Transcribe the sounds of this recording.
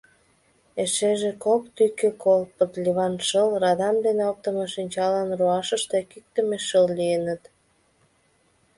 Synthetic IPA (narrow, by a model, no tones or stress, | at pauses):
eʃeʒekokt̪ykekolpət̪lʲiβɑnʃəlrɑd̪ɑmd̪eneok̚t̪əmeʃinʲt͡ɕɑlɑnruɑʃəʃt̪ekik̚t̪ə̆meʃəllijənət̪